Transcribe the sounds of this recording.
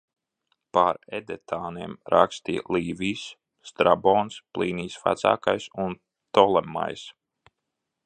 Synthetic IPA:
paɾɛd̪ɛt̪ʰaːniɛmɾakst̪iːlˠiːviːsː | t̪ɾabɔːnsplˠiːniːsfa̰t̪sa̰ːkajsun | t̪ɔlˠɛma̰js

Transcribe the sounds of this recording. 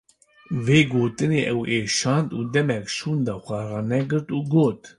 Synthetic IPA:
veːɡoːt̪ɨneːʔɛweːʃɑːnd̪ṵːd̪ɛmɛkʃuːnd̪ɑːxʷɑrɑːnɛɡɨɾt̪uːɡoːt̪

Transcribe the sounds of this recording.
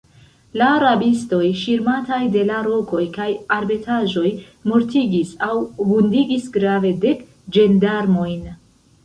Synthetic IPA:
laɾabisto̞jʃiɾmatajde̞laɾo̞ko̞jkajaɾbe̞tʰaʒo̞j | mo̞ɾtiɡisawbundiɡisɡɾave̞de̞k | d͡ʒe̞ndaɾmo̞jn

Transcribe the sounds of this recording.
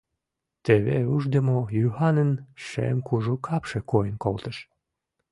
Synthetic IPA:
t̪eβḛuʒd̪əmojyhɑnənʃḛmkuʒukʰɑpʃĕkojənkolt̪ə̆ʃ

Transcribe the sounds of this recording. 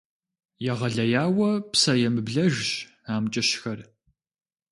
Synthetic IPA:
jɛʁɐɮɐjaːwɐpsɐjɛmɨbɮɐʒɕ | aːmt͡ʃʼɐʃxɐr

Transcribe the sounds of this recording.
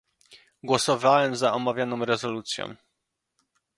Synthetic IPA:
ɡwɔsɔvawɛmzaɔmavʲjanɔ̃w̃ɾɛzɔlut̪sʲjɔ̰̃w̃

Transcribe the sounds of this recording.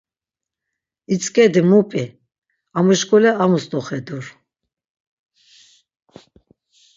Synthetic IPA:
it͡sʼkʼɛd̪imupʼi | amuʃkʼulɛamust̪ʼɔχɛd̪uɾ

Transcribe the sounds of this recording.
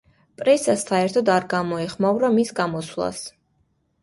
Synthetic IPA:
pʼɾɛsasːaɛɾt̪ʰɔd̪aɾɡamɔɛχmavɾamisɡamɔswlˠa̰s

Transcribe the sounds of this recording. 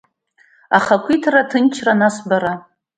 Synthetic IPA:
aχakʷʰitʰratʰɨnt͡ʃʰranasbaɾa

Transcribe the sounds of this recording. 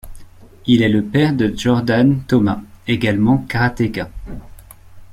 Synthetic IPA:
ilɛləpɛʁd̪əʒɔʁd̪ant̪ɔmaeɡalmɑ̃kaʁat̪eka

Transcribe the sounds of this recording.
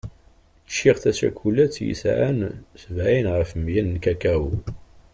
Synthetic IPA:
t͡ʃːiʁθæsæ̰kʷʰulæt͡sːjḭsʕænsvæinʁəfmjænnkækæw

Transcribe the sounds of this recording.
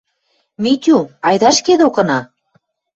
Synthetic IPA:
mit̪ʲuɑjd̪ɑʃked̪okɤ̆nɑ

